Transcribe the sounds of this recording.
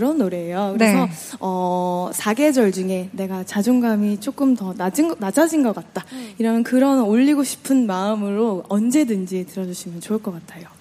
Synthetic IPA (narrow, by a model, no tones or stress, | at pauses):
ɾʌnːoɾe̞ːjokɯɾesʰʌʌsʰaɡe̞d͡ʑʌɭd͡ʑuŋe̞ne̞ɡat͡ɕad͡ʑuŋɡamit͡ɕ͈ok͈ɯmtʌnad͡ʑinad͡ʑad͡ʑinɡʌk͈at̚t͈aiɾʌmjʌnkɯɾʌnoʎːiɡoɕʰi̥pʰɯnmaɯmɯɾoʌnd͡ʑe̞dɯnd͡ʑitɯɾʌd͡ʑuɕʰimjʌnt͡ɕoɯɭk͈ʌk͈atʰajo